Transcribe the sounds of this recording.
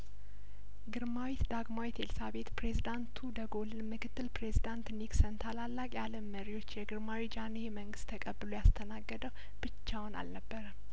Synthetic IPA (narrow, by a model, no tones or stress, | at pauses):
ɡɨɾmawit̪d̪aɡmawit̪ʰe̞lsaβe̞t̪pɾe̞zid̪ant̪ʰud̪əɡo̞lɨnmɨkʰɨt̪ːɨlpɾe̞zid̪ant̪niksənt̪ʰalalːakʼjaləmːəɾiwo̞t͡ʃːjɛɡɨɾmawid͡ʒanejɛməŋɡɨst̪ʰːəkʼəbːɨlojast̪ʰənaɡːəd̪əw | b̥ɨt͡ʃːawna̰lnəbːəɾəm